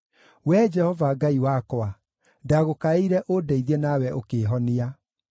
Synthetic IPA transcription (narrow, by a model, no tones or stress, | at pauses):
wɛd͡ʒɛhɔvaɡaiwakɔa | daɣokaeiɾɛʔodɛiðiɛnawɛʔokeːɦɔnia